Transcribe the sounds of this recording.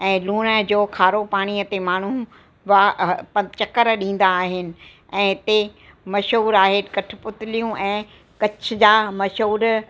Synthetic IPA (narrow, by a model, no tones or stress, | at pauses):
ɛ̃ːluːñəd͡ʑoːkʰaːɾopaːɽ̃iət̪emaːɳ̤u | ʋapɐt͡ɕɐkəɾɗĩːn̆d̪aːɦɪnɪ̆ | ɛ̃ːɦɪt̪e | mɐʃɦuːɾaːɦekɐʈʰɪ̆pʊt̪ɪlijũʔɛ̃ː | kɐt͡ɕʰd͡ʑaːmɐʃɦuːɾ